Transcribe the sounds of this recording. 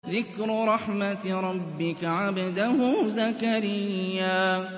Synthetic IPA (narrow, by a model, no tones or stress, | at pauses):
ðɪkɾɾˤɑħmat̪ɾˤɑbbːɪkaʕabad̪ahʊzakaɾɪjːaː